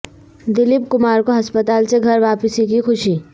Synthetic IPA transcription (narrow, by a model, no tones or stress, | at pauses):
d̪ɪlɪpkʊmaːɾkoɦɐspət̪aːlseɡʱɐɾʋaːpəsikixʊʃi